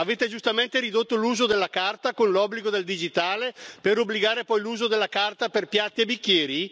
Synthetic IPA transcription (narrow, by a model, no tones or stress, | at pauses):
aveːt̪ed͡ʒust̪ament̪eɾid̪ot̪ːoluːzod̪elːakart̪akonlɔbːliɡod̪eld̪id͡ʒit̪aːlepeɾobːliɡaːɾepɔjluːzod̪elːakart̪aperpjat̪ːiebikːjɛːɾi